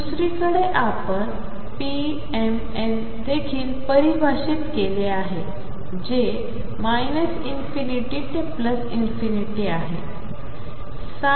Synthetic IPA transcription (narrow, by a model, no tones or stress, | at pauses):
d̪usɾikəɽeʔapəɳ | pi | em | en | d̪ekʰiːlpəɾibʱaɕit̪keleaɦe | d͡ʑe | majnəsinfiniʈiːʈepləsinfiniʈiaɦe | sa